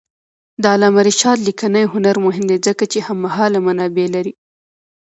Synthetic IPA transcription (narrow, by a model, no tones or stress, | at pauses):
d̪əalɑmaɾiʃɑt̪likanajɦʊnaɾmʊɦɪmd̪ezəkat͡ʃehamːahɑlamanɑbelaɾi